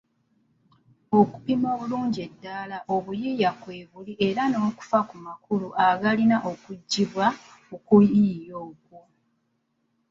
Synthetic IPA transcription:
o̞ku̥pimo̞ːβuluːɲɟie̞dːalaʔo̞βujijakweːβuliʔe̞ɾano̞ːku̥fakumakuluʔaɡalinaʔo̞kuɟːiβwaokuijo̞ːkwo

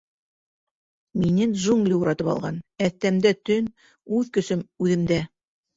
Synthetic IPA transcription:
minɘnʒuŋɡlʲiuɾɑt̪ɤpɑ̰lˠʁɑnæθt̪æmd̪æt̪ɵn | ʉðkɵ̆sɵmʉðɘ̆md̪æ

